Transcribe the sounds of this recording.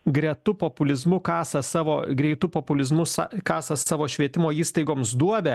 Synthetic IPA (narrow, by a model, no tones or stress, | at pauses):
ɡɾʲɛt̪ʊpɔpʊlʲɪzmʊkɑːsɐsɑːʋoːɡɾʲɛɪt̪ʊpɔpʊlʲɪzmʊsɑkɑːsɐsɑːʋoːʃʲʋʲiɛt̪ʲɪmoːiːst̪ɐɪɡoːmsd̪uɔbʲɛ